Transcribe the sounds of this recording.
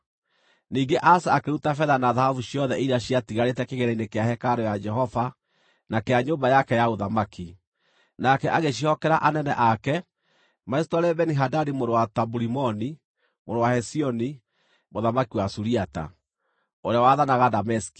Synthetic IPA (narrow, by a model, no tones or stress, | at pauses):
niːŋɡeʔasaːkeutafɛðanaðahavuɕiɔðɛʔiɾaɕiatiɣaɾetɛkeɣeɾɛinekeahɛkaɾojad͡ʒɛɦɔva | nakeaɲoːmbajakɛjaoðamaki | nakɛʔaɣeɕ̬ihɔkɛɾaʔanɛnɛʔakɛ | maɛstɔɾɛbɛniɦadadimoɾowatabuɾimɔni | moɾowahɛsiɔni | moðamakiwasuɾiata̰ | oɾeawaðanaɣadamɛsi̥ki̥